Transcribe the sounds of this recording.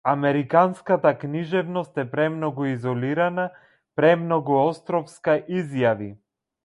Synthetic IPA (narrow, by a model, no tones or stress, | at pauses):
amɛɾikanskat̪akniʒɛvnɔst̪ɛpɾɛmnɔɡuizɔliɾana | pɾɛmnɔɡuɔst̪ɾɔfskaʔizjavi